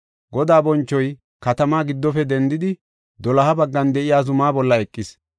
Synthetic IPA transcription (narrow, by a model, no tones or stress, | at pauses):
ɡɔd̪aːbɔnt͡ʃːɔj | kɐt̪ɐmaːɡɪd̪ːɔfɛd̪ɛnd̪ɪd̪ɪ | d̪ɔlɐhɐbɐɡːɐnd̪ɛʔɪjaːzʊmaːbɔlːɐɛkʼːɪs